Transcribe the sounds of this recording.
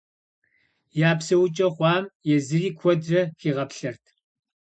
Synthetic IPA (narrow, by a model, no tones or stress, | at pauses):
jaːpsɐwʊt͡ʃʼɐχʷɑːmjɛzɨriːkʷʰɔdrɐxiːʁɐpɬɐrtʰ